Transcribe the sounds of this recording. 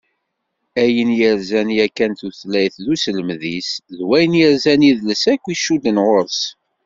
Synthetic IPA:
æjənjəɾzænjækːænθuθlæjθðusələmðisðwæjənjəɾzæniðləsækʷːiʃud̪ənʁoɾs

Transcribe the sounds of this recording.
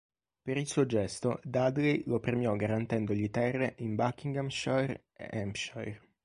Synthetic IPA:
peɾilsuːod͡ʒɛst̪od̪ad̪lejlopɾemjɔɡaɾant̪ɛnd̪oʎit̪ɛrːeʔimbakːiŋɡamʃɔɛɾ | ḛʔɛmpʃɔɛr

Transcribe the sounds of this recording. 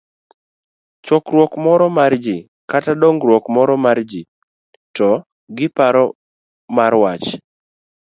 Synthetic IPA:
t͡ʃɔkɾwɔkmɔɾɔmard͡ʒi | katadɔŋɡɾwɔkmɔɾɔmard͡ʒi | tɔ | ɡɪpaɾɔ | maɾwat͡ʃ

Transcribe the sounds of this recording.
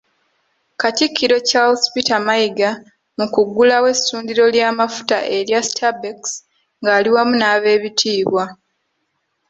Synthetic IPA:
katikʰːiɾo̞calspitamajiɡa | mukuɡːulawe̞sːuːndiɾo̞ljaːmafu̥ta̰ʔe̞ɾjasi̥tʰabeks | ŋɡaːliwamunaːβe̞ːβitʰiːβwa

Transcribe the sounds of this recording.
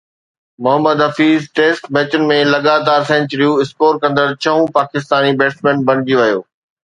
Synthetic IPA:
mʊɦəmːəd̪ɦɐfiːzʈeːsʈbɛːt͡ɕʊnɪ̆mẽlɐɠaːt̪aːɾsɛ̃ɲt͡ɕəɾijũɪskoːɾkɐ̃nd̪əɾt͡ɕʰɐɦũpaːkɪst̪aːnibeːʈsmẽːnbɐ̃nɪd͡ʑiʋɐjo̰ː

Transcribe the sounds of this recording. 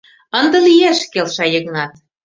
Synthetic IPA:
ənd̪ɤ̆lijæʃkelʃɑjə̆ɣnɑt̪̚

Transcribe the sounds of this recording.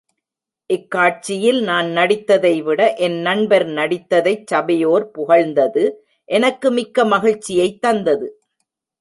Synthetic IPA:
ʔɪkːaːʈ̚t͡ʃːɪjɪlnaːnnɐɽɪt̪ːɐðɐɪʋɪɽɐʔɛnːɐɳbɐɾnɐɽɪt̪ːɐðɐɪt͡ʃsɐbɐjoːɾpʊɣɐɻnd̪ɐðɯ | ʔɛnɐkːɯmɪkːɐmɐɣɪɻt͡ʃːɪjɐɪt̪ːɐnd̪ɐðɯ

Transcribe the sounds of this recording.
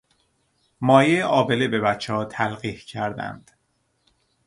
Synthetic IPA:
mɒːjejeʔɒːbe̞lebe̞bæt͡ʃʰːeɒːt̪ʰælɢiːhcʰæɾd̪æ̰nd̪̥

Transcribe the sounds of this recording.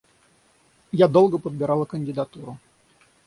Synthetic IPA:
jad̪olˠɡəpəd̪̚bʲɪɾɑlˠəkənʲdʲɪd̪at̪uɾʊ

